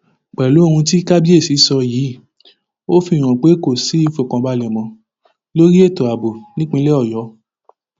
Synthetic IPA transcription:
k͡pɛ˨lo˨˦˧hũ˧ti˦ka˦bi˦e˦˨si˨˦sɔ˧ji˨˦ | o˦fi˧˦˨ɾ̃ɔ̃˨k͡pe˨˦ko˦˨si˨˦i˦fo˨kã˧ba˧lɛ˨mɔ̃˧ | lo˦ɾi˦e˦˨to˨a˨bo˨nĩ˦k͡pĩ˧˦lɛ˦ɔ˦˨jɔ˨˦

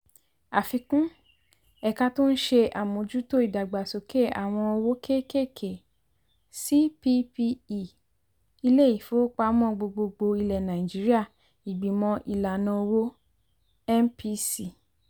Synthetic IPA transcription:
a˨fi˧kũ˦ | ɛ˨ka˧to˦n̩˦ʃe˧a˨mõ˨˦d͡ʒu˦to˦i˦˨da˨ɡ͡ba˨so˨ke˦˨a̰˨w̃ɔ̃˧o˧wo˦ke˦ke˦˨kʰe˨ | si˦pi˧˦pi˧i˨ | i˧le˦i˦˨fo˨˦k͡pa˧˦mɔ̃˦˨ɡ͡bo˧ɡ͡bo˧ɡ͡bo˧i˧lɛ˨nã˨i˨d͡ʒi˨˦ɾi˦a˦˨ | i˨ɡ͡bi˨mɔ̃˧ʔi˨la˨nã˧o˧wo˦ | ɛ˦npi˧si˦˨

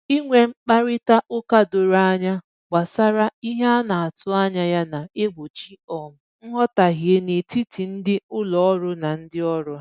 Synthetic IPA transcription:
i˦ŋʷe˨ŋ͡m̩˦k͡pa˦ɾɪ˦ta˦ʔʊ˦ka˦do˨ɾa˦ɲa˦ | ɡ͡ba˨sa˦ɾa˦i˦ɦe˦a˦na˨a˨tʊ˦a˦ɲa˦ja˦na˨e˦bo˨t͡ʃi˦ɔ˨m̩˦ŋ̩˦ɦɔ˦ta˨ɦi˨e˦ne˨ti˦ti˨n̩˦dɪ˦ʊ˦lɔ˨ɔ˦ɾʊ˦na˨n̩˦dɪ˦ɔ˦ɾʊ˦

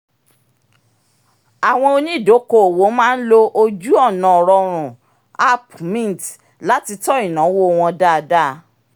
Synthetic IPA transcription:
a˨w̃ɔ̃˧o˧nĩ˦i˦˨do˨˦ko˦˨wo˨˦mãː˦n̩˦lo˦ʔo˧d͡ʒu˦ɔ˦˨nã˨ɔ˨ɾɔ˧ɾ̃ũ˨ | a˦pmĩ˦˨n˨t | la˨˦ti˧tɔ˦i˦˨nã˨˦wo˦˧w̃ɔ̃˧da˦˧da˦

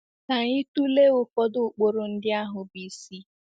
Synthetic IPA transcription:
na˨ɲi˦tu˦le˦ʊ˦kɔ˦dʊ˦˨k͡po˦ɾo˨n̩˦dɪ˦a˦ɦʊ˨bi˨si˦

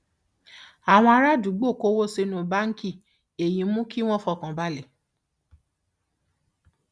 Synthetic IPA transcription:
a˨w̃ɔ̃˧a˧ɾa˦˨du˨˦ɡ͡bo˦˨ko˦wo˦˨se˧nũ˨ba˦ŋ̩˦ki˦˨ | e˨jĩ˧˦mũ˦ki˦w̃ɔ̃˦fɔ˧˨kã˨ba˦le˨

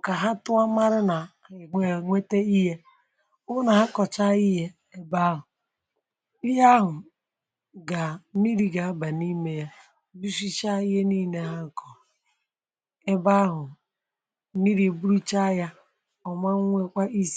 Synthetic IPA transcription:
ka˨ɦa˦tʊ˦a˦ma˦ɾɪ˦na˨ | e˨ŋʷe˦te˦i˦ɦe˦ | ʊ˦na˨ɦa˦kɔ˨t͡ʃa˦i˦ɦe˦ | e˦ba˦ɦʊ˨ | i˦ja˦ɦʊ˨ | ɡa˨˦mi˦ɾi˨ɡa˨a˦ba˨ni˦me˦ja˦ | bi˦si˦t͡ʃa˦i˦ɦe˦niː˦˨ne˨˦ɦa˦˨kʰɔ˨ | e˦ba˦ɦʊ˨˦ | mi˦ɾi˨e˨bu˦ɾu˦t͡ʃa˦ja˦ | ɔ˨ma˦ŋʷe˦kʷa˦i˦s

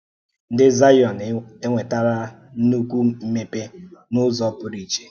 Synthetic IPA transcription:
n̩˦dɪ˦za˦jɔ˨ne˦ŋʷe˨ta˦ɾa˦ | nu˦kʷu˦m̩˦me˦pe˦nʊ˦zɔ˦pʊ˦ɾi˨t͡ʃe̥˨

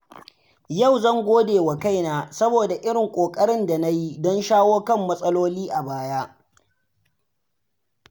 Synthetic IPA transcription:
jɐ˦˨wzɐ˦˨ŋɡʷoː˦deː˨wa˨ka˦jnaː˦sɐ˦boː˨da˨ʔɪ˦ɽɪ˨ŋkʷʼoː˨kʼɐ˦ɽɪ˦nda˨na˦ji˦dɔ˦nʃaː˦woː˦kɐ˦mːɐ˦sʼɐ˦loː˦liː˦ʔa˨baː˦ja˦

